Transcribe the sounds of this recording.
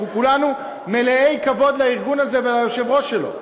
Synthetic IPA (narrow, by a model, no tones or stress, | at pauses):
ukulanu | me̞leʔe̞jkavo̞d̪laiʁɡunaze̞velajoʃevʁo̞ʃelo̞̰